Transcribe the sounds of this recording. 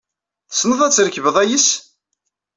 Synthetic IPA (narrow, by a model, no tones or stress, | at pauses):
snəðˤæt͡sːɾəkːvəðˤæjis